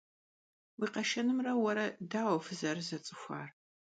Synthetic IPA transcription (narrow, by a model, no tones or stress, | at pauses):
wiːqɐʃɐnɨmrɐwɐɾɐdaːwɐfɨzɐrzɐt͡sʼɨxʷa̰ːr